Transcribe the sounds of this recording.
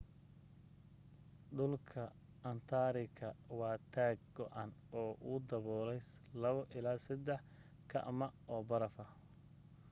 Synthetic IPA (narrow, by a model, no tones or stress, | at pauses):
ɖʊlkʰɐ | ɐnt̪ʰaːɾɪkʰɐwɑːt̪ʰaːɡ̚ɡɔʔanɔːʔud̪ɐβɔːlɛjs | lɐβɐʔɪlaːsɐd̪ɛħ | kʰɐ̰ʔmɐɔːbɐɾɐfɐ